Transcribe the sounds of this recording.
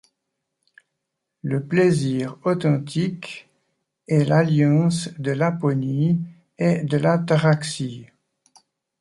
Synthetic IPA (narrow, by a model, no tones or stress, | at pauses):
ləpleziːʁɔt̪ɑ̃t̪ik | ɛlaljɑ̃sd̪əlapɔni | ed̪əlat̪aʁaksi